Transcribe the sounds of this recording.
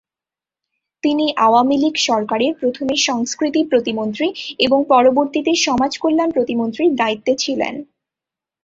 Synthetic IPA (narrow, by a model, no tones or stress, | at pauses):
t̪iniʔaoamiliɡʃɔɾkaɾeɾpɾot̪ʰomeʃɔŋskɾit̪ipɾot̪imont̪ɾieboŋpɔɾoboɾt̪it̪eʃɔmad͡ʑkolːanpɾot̪imont̪ɾiɾd̪ait̪ːet͡ɕʰilḛn